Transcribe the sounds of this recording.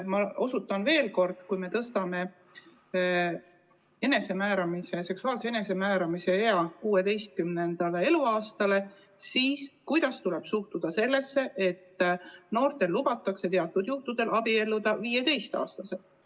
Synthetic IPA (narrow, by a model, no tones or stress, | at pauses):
mɑo̞sut̪ːˑɑnve̞ːlko̞rd̪̥kujme̞t̪ɤst̪ɑme̞ | e̞ne̞se̞mæːɾɑmise̞se̞ksuɑːlsee̞ne̞se̞mæːɾɑmise̞eɑkuːe̞d̪e̞jst̪̚kymne̞nd̪̥ɑle̞e̞luɑːst̪ɑle̞ | siːskujd̪̥ɑst̪ule̞b̥suht̪ud̪̥ɑse̞lːe̞sːe̞ʔe̞t̪ːno̞ːrt̪e̞lːubɑt̪ːˑɑkse̞t̪eɑt̪ːˑud̪juht̪ud̪̥e̞lɑbie̞lːud̪̥ɑviːe̞t̪e̞jst̪ɑ̰ːst̪ɑse̞